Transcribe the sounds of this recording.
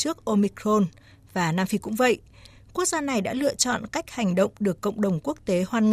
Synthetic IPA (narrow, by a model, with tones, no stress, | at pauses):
t͡ɕɨ˦˥ək̚ʔo˧mi˧kɾo˧n | vaː˨˩naː˧mfi˧kʊ̰˧˥ŋ͡mvə̰˧˨jʔ | ku˦˥ək̚zaː˧na˨˩jɗa̰ː˧˥lɨ̰˧˨ət͡ɕɔ̰˧˨nka˦˥jk̚ha˨˩jŋ̟ɗə̰˧˨wŋ͡mɗɨ˨˩əkːə̰˧˨wŋ͡mɗə˨˩wŋ͡mku˦˥ək̚t̪e˨˦hwaː˧nŋ